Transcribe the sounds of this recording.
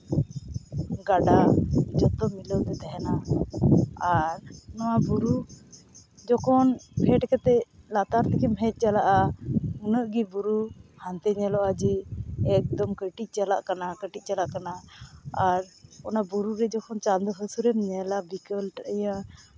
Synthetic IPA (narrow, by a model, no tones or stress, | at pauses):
ɡaɖad͡ʒɔt̪ɔmiləd̪ɛt̪ɛɦɛna | aɾnɔwabuɾu | d͡ʒɔkɔnpʰɛʈkɛt̪ɛlat̪aɾt̪ɛkɛmɦɛt̪̚ˀt͡ʃalaʔaunəʔɡibuɾuhant̪ɛɲɛlɔʔad͡ʒɛɛk̚d̪ɔmkəʈic̚ˀt͡ʃalaʔkanakəʈitc̚ˀt͡ʃalaʔkanaː | ɾɔnabuɾuɾɛd͡ʒɔkʰɔnt͡ʃand̪ɔɦəsuɾɛmɲɛlabikəlʈəjã